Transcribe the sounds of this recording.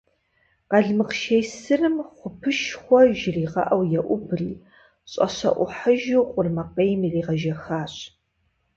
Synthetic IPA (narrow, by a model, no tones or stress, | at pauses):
qɐɮmɨqʃejsɨrɨmχʷʊpʰɨʃχʷɔʒɪriːʁɐ̰ʔɐwjɛʔʷʊbriː | ɕʼɐ̰ɕɐ̰ʔʷʊħəʒuwqʷʼʊrmɐqejmiriːʁɐʒɐxaːɕ